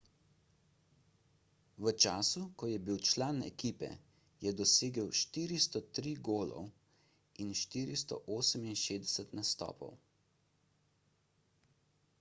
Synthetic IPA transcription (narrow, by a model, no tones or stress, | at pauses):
ʋət͡ʃaːsukɔjɛbiwt͡ʃlaːnɛ̰kiːpɛ̰ | jɛd̪ɔseːɡəwʃt̪iːɾist̪ɔt̪ɾiːɡoːlɔ̰w | inʃt̪iːɾist̪ɔ̰ʔoːsəminʃeːd̪ɛsət̪nast̪ɔ̰ːpɔ̰w